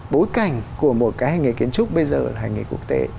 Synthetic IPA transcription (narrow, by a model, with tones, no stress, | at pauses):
ɓo˨˦jka˧˩jŋ̟ku˧˩əmo˨˩t̚kaː˨˦jhaː˨˧˩jŋi˨˩ki˨˦ənt͡ɕʊ˦˥k͡p̚ɓə˧jzəː˨˩laː˨˩ɦaː˨˩jŋḭ˨˩ku˦˥ək̚t̪e˨˦